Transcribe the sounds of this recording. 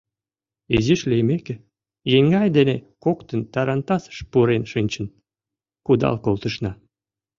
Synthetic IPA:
iziʃlʲejmekĕ | jeŋɡɑjd̪enekokt̪ə̆nt̪ɑɾɑnt̪ɑsʃpuɾenʃɨnʲt͡ɕə̆n | kud̪ɑ̰lkolˠt̪ə̆ʃnɑ

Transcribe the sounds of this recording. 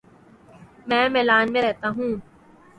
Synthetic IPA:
mɛ̃ːmɛːlaːnmẽɾɛɦt̪aɦũː

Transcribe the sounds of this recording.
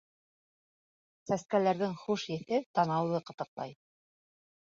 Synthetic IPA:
sæskælæɾðɘŋχuʃjɘ̆θɘpt̪ɑnɑwðɤqɤ̆t̪ɤ̆qlˠɑ̰j

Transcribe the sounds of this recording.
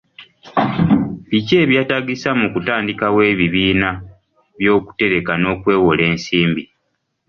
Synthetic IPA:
βice̞ːβjaːtaɡisamukutaːndikawe̞ːβiβiːna | βjo̞ːku̥te̞ɾekano̞ːkwe̞ːwole̞ːnsiːmbi

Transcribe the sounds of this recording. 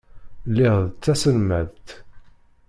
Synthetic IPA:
lːɪʁðət͡sːæsəlmæðt̪

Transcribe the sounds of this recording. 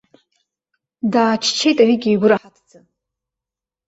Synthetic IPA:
daːt͡ʃʰt͡ʃʰe̞jtʼaɥiɡʲejɡʷʊɾaħatʰd͡zɨ

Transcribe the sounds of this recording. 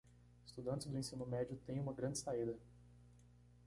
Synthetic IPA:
ɪst̪ud̪ɐ̃nt͡ʃ̪ɪzd̪ʊẽsĩnʊmɛd͡ʒʊt̪ẽj̃ũmɐɡɾɐ̃d͡ʒɪsaid̪ɐ

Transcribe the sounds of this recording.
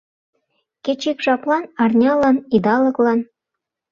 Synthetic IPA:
ket͡ɕikʃɑplˠɑnɑrnʲɑlɑnid̪ɑlɤ̆klˠɑn

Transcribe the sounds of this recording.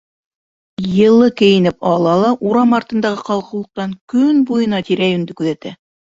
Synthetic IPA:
jɤ̆lˠɤkɘ̆jɘ̆nɘpɑlˠɑlˠɑʔuɾɑmɑɾt̪ɤ̆nd̪ɑʁɤqɑlˠqɤ̆wlˠɤ̆q̚t̪ɑŋkɵnbujɤ̆nɑt̪iɾæjɵ̆nd̪ɘkʉðæt̪æ

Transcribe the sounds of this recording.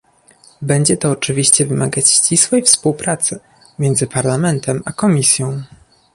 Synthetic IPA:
bɛɲd͡ʑɛt̪ɔːt͡ʂɘvʲiɕt͡ɕɛvɘmaɡat͡ɕːt͡ɕiswɛjfspuwpɾat̪sɘ | mʲjɛnd̪zɘpaɾlamɛnt̪ʰɛmakɔmʲisʲjɔ̃w̃

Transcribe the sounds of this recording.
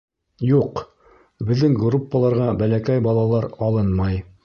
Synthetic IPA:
juq | bɘ̆ðːɘŋɡrupːəlˠɑɾʁɑbælækæjbɑlˠɑlˠɑɾɑlˠɤnmɑj

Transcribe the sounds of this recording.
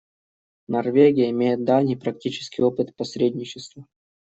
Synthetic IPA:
nɐrvʲeɡʲɪjəɪmʲejɪt̪̚d̪avnʲɨjpɾɐktʲit͡ɕɪ̥skʲɪjopɨt̪pɐsʲɾʲedʲnʲɪt͡ɕɪst̪və

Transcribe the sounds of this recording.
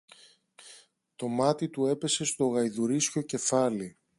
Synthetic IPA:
t̪o̞mɐt̪it̪ue̞pe̞se̞st̪o̞ɣɐjðuɾisco̞ce̞fɐli

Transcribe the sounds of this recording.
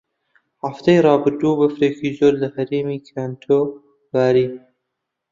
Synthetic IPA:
haft̪ajɾɑːbɨɾd̪ubəfɾeːkʰizoɾlahɐɾiːmikʰaːnt̪ʰo | baːɾiː

